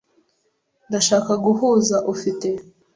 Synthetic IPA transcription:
ndaʃaːkaɡuɦuːzaʔufite̞

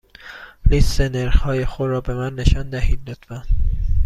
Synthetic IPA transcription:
liseneɾhɒːjexod̪ɾɒːbe̞mænːeʃɒnd̪æhiːd̪d̪ɒd̪̥væn

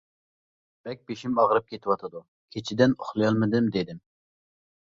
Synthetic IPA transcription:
b̥ɛk̚ʲbeʃimɑʁɾɨp̚kʲʰet̪ʰɪwɑt̪ʰɨd̪u | kʲʰet͡ʃʰid̪ɪnoχlˠɨjɑlˠmɨd̪ɨmd̪ed̪ɪm

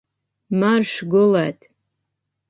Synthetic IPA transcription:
marʂɡʊlatʰʼ

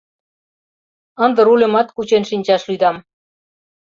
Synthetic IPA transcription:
ə̆nd̪ə̆ɾulʲə̆mɑt̪kut͡ɕenʃinʲt͡ɕɑʃlyd̪ɑm

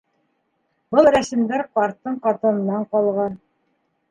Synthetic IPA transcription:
bɤlˠɾæsɘ̆md̪æɾqɑɾt̪ːɤɴqɒt̪ɤ̆nɤ̆nːɑɴqɒlˠʁɑn

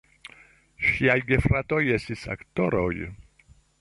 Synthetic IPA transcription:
ɕjajɡefɾat̪ojɛsisa̰kt̪ɔɾɔj

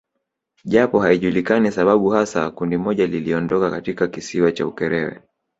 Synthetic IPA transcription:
ʄapɔhaiʄulikanisaɓaɓuhasakundimɔʄaliliɔndɔkakatikakisiwat͡ʃa̰ukɛɾɛwɛ̰

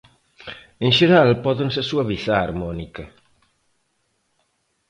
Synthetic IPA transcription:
eŋʃeɾalpɔðensesuɐβiθaaɾmɔnikɐ

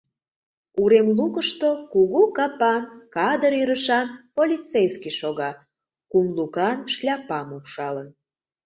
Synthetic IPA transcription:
uɾemlukəʃt̪okuɣukɑpɑnkɑd̪əɾyɾəʃɑnpolʲit͡sejskiʃoɣɑ | kumlukɑnʃlʲɑpɑmukʃɑlən

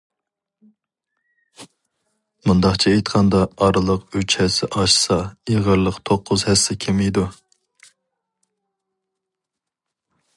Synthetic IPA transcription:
mund̪ɑχt͡ʃʰiejt̪qʰɑnd̪ɑːɾɨlˠəqyt͡ʃhɛsɪʔɑʃsɑiʁəɾlˠəqt̪ʰoqʰːʊzhɛsːɪkʲʰemijd̪u

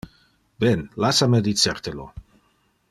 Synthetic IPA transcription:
bɛnlasamed̪it͡seɾt̪elo̰

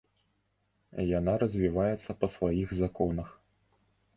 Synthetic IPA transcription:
janaɾɐzʲvʲivajɛt̪sːɐpɐsvajiɣzakɔnɐx

